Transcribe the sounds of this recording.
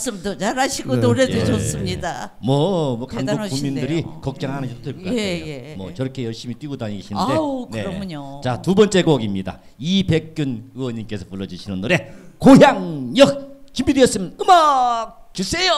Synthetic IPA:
s͈ɯmdot͡ɕaɾaɕʰiɡonoɾedeɕʌs͈ɯmɲidamwʌmwʌkaŋɡokuŋmːinddɯɾikʌk̚t͡ɕ͈ʌŋɦanɯd͡ʑit̪͈odeɭkaeoemwʌt͡ɕʌɾʌkʰe̞jʌɭɕ͈imit͈wiɡodoaɲiɡeɕʰindekne̞ɲot͡ɕatubʌnt͡ɕ͈e̞ɡoʌɡimɲida̰ | ipe̞k̚k͈unɯwʌɲimk͈e̞sʰʌpuɭːʌd͡ʑɯɕʰinɯnːoɾe̞kojaŋjʌk̚t͡ɕimbidejʌs͈ɯmɯma | t͡ɕusʰe̞jo

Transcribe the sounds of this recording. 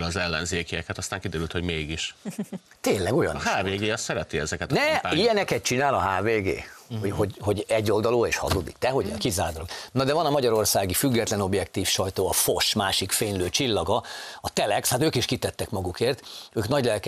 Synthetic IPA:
lɒzɛlːɛ̰nzeːkijɛkɛt̪ɒst̪aːŋkid̪ɛɾylt̪hoɟmeːɡiʃ | t̪eːnlɛɡo̞jɒ̰niaːveːɡeːɒssɛɾɛt̪iɛzɛkɛt̪nɛijɛnɛkɛt̪̚t͡ʃinaːlɒɦaːveːɡḛːhohoɟho̞ɟɛɟːo̞ld̪ɒloːeːʃhɒ̰zod̪ḭkt̪ɛɦo̞ɟkizaːd̪loɡnɒd̪ɛvɒnɒmɒɟɒɾo̞rsaːɡifyɡːɛt̪lɛno̞bjɛkt̪iːfʃɒjt̪oːɒfo̞ʃmaːʃikfeːɲløːt͡ʃilːɒɡɒɒt̪ɛlɛkshat̪øːkiʃkit̪ɛt̪ːɛkmɒɡukeːrt̪øːknɒɟlɛlk

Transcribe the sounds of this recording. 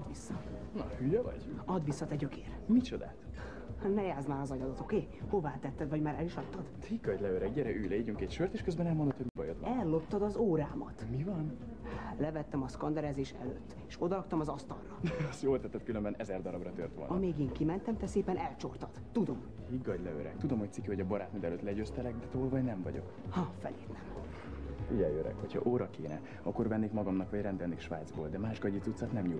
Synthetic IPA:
ɒd̪ʋisːɒ | nɒhyjɛvɒ̰ɟɒd̪ʋisːɒt̪ɛɟøkʰeːrmit͡ʃo̞d̪a̰ːt̪ | nɛjaːzmaːɾɒzɒjɒd̪ɒt̪okeː | ho̞vaːt̪ɛt̪ːɛd̪vɒɟmaːɾɛliʃɒt̪ːɒd̪t̪ɾikːɒɟ̪ʲlɛøːɾɛɟɟɛɾɛʔyjlɛiɟyŋkɛcʃørt̪eːʃkøzbɛnɛlmond̪ot̪hoɟmibɒ̰jøt̪ɒ̰ɛlːo̞p̚t̪ːɒd̪ɒzoːɾaːmɒ̰t̪mivɒn | lɛvɛt̪ːɛmɒskɒnd̪ɛɾɛːzeːʃɛ̰løːt̪ːeːʃo̞d̪ɒɾɒkt̪ɒmɒzɒst̪ɒ̰lːɒsjoːlt̪ɛt̪ːɛt̪kylømbɛnɛzɛrd̪ɒɾɒbrɒt̪øːrt̪ʋolnɒmeːɡeːŋkimɛnt̪ɛmt̪ɛseːpɛnɛlt͡ʃo̞rt̪ɒd̪̥t̪ud̪o̞m | hiɡːɒɟlɛø̰ɾɛ̰k̚t̪ud̪o̞mhoc̚t̪sikyho̞ɟɒbɒɾaːt̪mid̪ɛløːt̪lɛɟøːst̪ɛlɛɡd̪ɛt̪oːlvɒɟnɛmvɒ̰ɟo̞̰k | hɒfɛ̰lḛːt̪nɛm | iɟɛjøɾɛ̰khocʰɒ̰ʔoːɾɒkeːnɛ̰ | ɒkːo̞rvɛnːeːkmɒɡɒmnɒkvɒɟrɛnd̪ɛlneːkʃʋa̰ːjd̪zboːld̪ɛmaːʃɡɒɟit̪sut̪sɒt̪nɛmɲul

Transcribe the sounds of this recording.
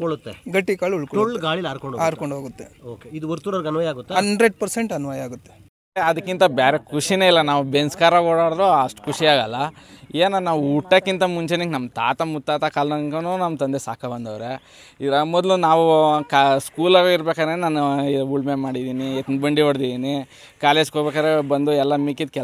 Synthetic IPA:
koɭut̪ːeɡɐʈːikaːɭuɭkooɭːɡaːɭilaːɾkoɳɖoaːɾkoɳɖɦoːɡut̪ːe̞oːkeid̪uɐɾt̪uɾɐɾɡɐnʋɐjaːɡut̪ːeɦɐnɖɾeɖ̚pɐɾseɳʈɐnuʋɐjaːɡut̪ːe | eɐd̪ɐkːint̪ɐbaːɾe̞kʰuʂineːilːɐnaːʋubenskaːɾɐɡɔɽaːɽd̪ɾoɐʂʈu̥kʰuʂiaːɡɐlːɐeːnɐnːaːʋuuʈːɐkːint̪ɐmuɲt͡ʃeniknɐmːt̪aːt̪ɐmut̪ːaːt̪ɐkaːlnɐŋkɐnunɐmːt̪ɐnd̪esaːkʰɐbɐnd̪ɐʋɾe | iɾɐmɔd̪lunaːʋukskuːlaːɡuiɾbeːkad̪ɾenaːnuiuɭmemaːɽid̪iniet̪nbɐɳɖiʋɐɽd̪id̪iːni | kaːleːd͡ʒkoːbɛkaːd̪ɾebɐnd̪uɛlːɐmikid̪̚kɛ

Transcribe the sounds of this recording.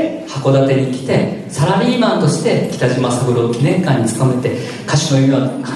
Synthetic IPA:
hako̞d̪at̪e̞ɲ̟ikʲi̥t̪e̞saɾaɾʲiːbãnt̪o̞ɕi̥t̪e̞kʲi̥t̪aʑimasabɯ̟ɾo̞kʲinẽ̞ŋkãɲ̟ːit͡sɨ̥k̪ame̞t̪e̞ | kaɕinoiia

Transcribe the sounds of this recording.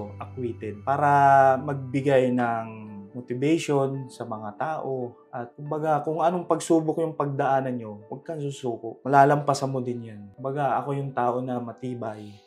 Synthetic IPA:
ʔɐkwiːt̪ɛd̪̚paːɾɐmɐɡ̚bɪɡajnɐŋmot̪ɪbɛjʃo̞nsɐmɐŋat̪aːʔo̞ʔɐt̪̚kʊmbɐɡakʊŋɐnoŋpɐɡsuːbʊkjʊŋpɐɡ̚d̪ɐʔaːnɐnɲo̞wɐɡ̚kɐŋs̬uːsuːkʊʔmɐlaːlɐmpasɐmod̪ɪnjankʊmbɐɡaʔɐko̞jʊŋt̪aːʔo̞nɐmɐt̪iːbaj

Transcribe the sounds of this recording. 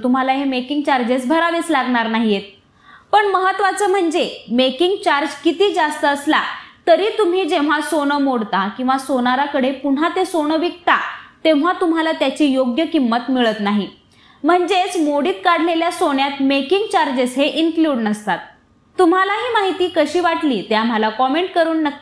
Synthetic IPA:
t̪um̤alaɦemekiŋɡt͡ɕaɾd͡ʑesbʱəɾaʋet͡slaɡɳaɾnaɦijet̪̚ | pəɳməɦət̪ːʋat͡səm̤əɳd͡zemekiŋɡt͡ɕaɾd͡ʑkit̪iːd͡zast̪əːslat̪əɾiːt̪um̤iːd͡ʑeʋ̤asoɳəmoɽt̪akĩw̃ʋasonaɾakəɽepuɳ̤at̪esoɳəʋik̚t̪at̪ẽʋ̤̃at̪um̤alat̪jat͡ɕiːjoɡjəkimːət̪miɭət̪naɦi | m̤əɳd͡zet͡smoɽiːt̪kaɽ̤leljasoɳjat̪mekiŋɡ̚t͡ɕaɾd͡ʑesɦeʔinkluːɽnəst̪at̪ː | um̤alaɦiːmaɦit̪iːkəɕiːʋaʈliːt̪eam̤alakɔmeɳʈ̚kəɾuːnːək̪ːi

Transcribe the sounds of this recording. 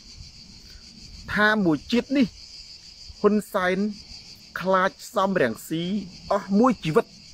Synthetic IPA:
t̪ʰaːmuəjt͡ɕiət̪̚nih | hunsaɛnkʰlaːc̚sɑmrɛ̆əŋsiːʔɑhmuəjt͡ɕiːʋɨt̪̚

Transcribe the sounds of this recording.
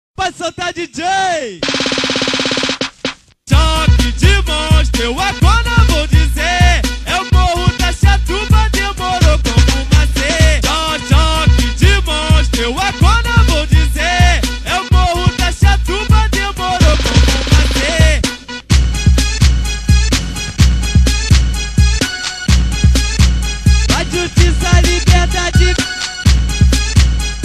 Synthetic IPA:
pasot̪ad͡ʒid͡ʒej | t̪ɔkid͡ʒimõʃt̪ewaɡɔnɐvowd͡ʒizeɛʊmohʊd̪aʃat̪ubɐd̪emoɾokõmʊmãt̪et̪ɔtɔkid͡ʒimõʃt̪ewaɡɔnɐvod͡ʒizeɛmohutaʃatumad̪emoɾokomumãte | waʒuʃtisalibɛt̪ad͡ʒi

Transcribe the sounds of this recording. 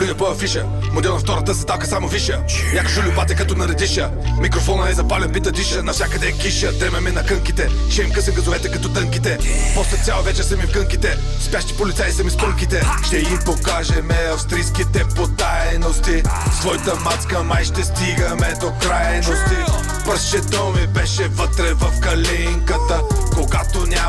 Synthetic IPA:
pɾinɐpəvɐfiʃə | mod̪ɛlˠnɐft̪ɔɾɐt̪əsɐt̪alˠkəsamoviʃə | nʲakoʒʊlʲubat̪ɛkɐt̪ɔnɐɾɛd̪iʃə | mikɾofɔnɐnɛzɐpalʲɛnpit̪ɐd̪iʃənɐfsʲjakɐd̪ɛkiʃət̪ɾɛmɛmɛnɐkɤŋkit̪ɛ | ʃɛimkəsɛɡɐd̪ovɛt̪ɛkɐt̪ɔt̪əŋkit̪ɛpɔslɛt̪sʲalˠɐvɛt͡ʃɛsɐmifkəŋkit̪ɛ | spjaʃt̪i̥polit̪saj̪sɐmispəŋkit̪ɛʃt̪ɛimpokaʒɛmɛɐfst̪ɾijskit̪ɛpot̪ajnost̪isvɔjit̪əmat̪skəmajʃt̪ɛst̪iɡɐmɛd̪okɾajnost̪i | pɾɛsʃɛt̪ɔmibɛʃɛvət̪ɾɛvɐfkɐlɛŋkət̪əkoɡat̪onʲa

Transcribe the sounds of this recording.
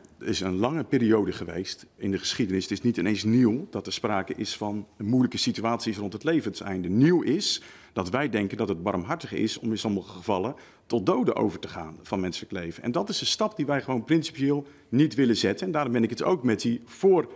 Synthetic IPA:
əɪsənlɑŋəpɪːɾiowdəχəʋḛjstɪndəχə̥sχidənɪsətɪsnitɪnejnsniwdɑtəɹspraːkəʔɪsfɑnəmujləkəsityaːtsisrɔntɦətlejvənsɛ̰jndəniwɪs | d̥ɑtʋɛjdɛŋkəndɑtɦəd̚bɑrmɦɑɹtəχɪ̰sɔmɪnsɔməχəχəvɑlˠə | tɔt̚dowdəʔo̰wvəɹtəχa̰ːnv̥ɑnmɛnsələklejvənʔɛ̰ndɑtɪsənstɑpdiʋɛjχəʋownprɪnsi̥pijɪːlˠ | nitʋɪləzɛtənɛndaːɾɔmbɛnɪkəto̰wkmɛt̚di | v̥ʊːr

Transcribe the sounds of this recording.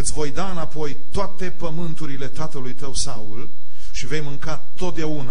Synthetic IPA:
ɨt̪sʲvo̞jd̪aɨnapo̞jt̪oat̪e̞pəmɨnt̪uɾile̞t̪at̪əlujt̪əwsaul | ʃive̞jmɨŋka | t̪o̞t̪̚d̪eauna

